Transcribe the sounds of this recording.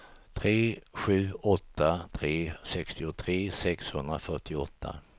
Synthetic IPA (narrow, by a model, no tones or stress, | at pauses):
t̪ʰɾeːɧʉ̟ːɔt̪ːat̪ʰɾeːsɛkst̪ɪʊt̪ʰɾeːsɛkshɵnd̪ɾafœʈːɪɔ̰t̪ʰːa̰